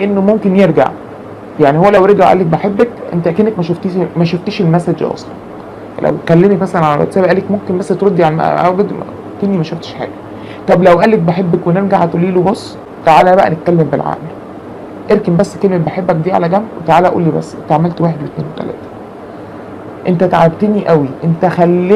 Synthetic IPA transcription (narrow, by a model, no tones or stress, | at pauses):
ʔenːomomkenjeɾɡa̰ʕ | jaʕnihowːælæwɾeɡaʕʔæ̰lːæk̚beħebːækʔḛnt̪æʔækeːnækmæʃoft̪imæʃoft̪eːʃelmæsæd͡ʒʔɑ̰ːsˤlɑ̰n | læ̰wkælːemækmæsælænʕalæ̰ɾˤɑ̰t̪sæːbæʔæːlːekmomkenbæsːt̪ɾɑd̪ːiʕalææ̰æ̰ed̪̰ | kenːimæʃoft̪e̥ʃħa̰ːɡæ | t̪ˤɑblæwʔæːlːæk̚beħebːækweneɾɡaʕæt̪ʔulːiːlubosˤː | t̪aʕaːlæbæʔæ̰net̪̚kælːembelʕa̰ːʔel | ʔeɾkembæsːkelmebeħebːæk̚d̪iːʕa̰læɡæmbwet̪aʕaːlæʔæʔṵlːiːbæ̰sːnt̪aʕmælt̪weːħed̪wet̪neːnwet̪æ̰læ̰ːt̪æ̥ | ʔent̪æt̪aʕabt̪eniʔæwiʔent̪æxælː